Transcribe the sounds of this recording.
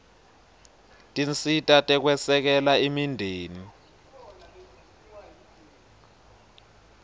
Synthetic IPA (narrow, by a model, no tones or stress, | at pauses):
tʼint͡sʼitʼatʼɛk̬wɛsɛk̬ɛlaimindʱeːni